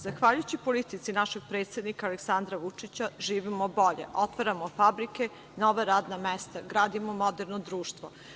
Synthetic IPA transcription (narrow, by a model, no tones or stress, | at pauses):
zaxʋaːʎujut͡ɕipolit̪it̪sinaʃeɡ̥̚pɾet̪sʲed̪nikaːleksand̪ɾaʋut͡ʂit͡ɕaʒiːʋimobo̞ʎḛʔo̞t̪ʋaɾamofabɾike | noʋaɾaːd̪namɛst̪aɡɾaːd̪imomod̪eɾnod̪ɾuːʃt̪ʋo